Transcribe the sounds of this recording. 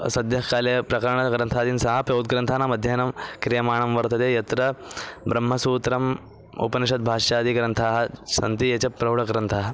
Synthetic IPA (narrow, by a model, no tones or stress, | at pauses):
sɐd̪jɐɦkaːlepɾɐkɐɾɳɐɡɾɐnt̪ʰaːd̪iːnsɐɦɐpjɐud̪̚ɡɾɐnt̪ʰaːnamɐd̪ʱjaːnɐmkɾijɐmaːɳɐmʋɐɾt̪ɐd̪eːjɐt̪ɾɐbɾɐmːɐsuːt̪ɾɐm | ṵpɐniʂɐt̪̚bʱaːʂjaːd̪iɡɾɐnt̪ʰaːɦɐsɐ̰nt̪ijet͡ɕɐpɾɐwɽɐɡɾɐnt̪ʰaːɦɐ